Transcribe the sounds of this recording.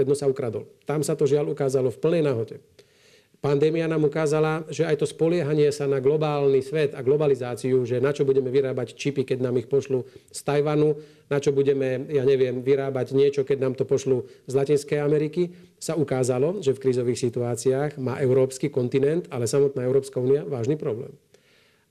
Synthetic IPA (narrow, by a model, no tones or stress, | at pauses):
ɛd̪nɔsaukɾad̪ɔ̰lt̪amsat̪ɔʒɪalukaːzalɔfpl̩nɛjnaɦɔɟɛ | pand̪ɛːmianaːmukaːzalaʒɛajt̪ɔspɔlɪɛɦaɲɪɛsanaɡlɔbaːlnisʋɛt̪aɡlɔbalizaːt͡siuʒɛnat͡ʃɔbuɟɛmɛʋiɾaːbact͡ʃipikɛɟnaːmixpɔʃlust̪ajʋanu | nat͡ʃɔbuɟɛmɛjaːɲɛʋɪɛmʋiɾaːbaɟɲɪɛt͡ʃɔkɛɟnaːmt̪ɔpɔʃluzlacinskɛjamɛɾiki | saukaːzalɔʒɛfkɾiːzɔʋiːxsit̪uaːt͡siaːɣma̰ːʔɛʊɾɔːpskikɔnt̪inɛnt̪alɛsamɔt̪naːɛʊɾɔːpskauːniaʋaːʒniːpɾɔblɛ̰ːm